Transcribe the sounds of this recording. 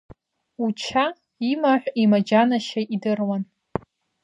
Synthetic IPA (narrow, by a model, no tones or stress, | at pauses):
ut͡ʃʰa | imaħʷimad͡ʒanaʃaʔidɨrwan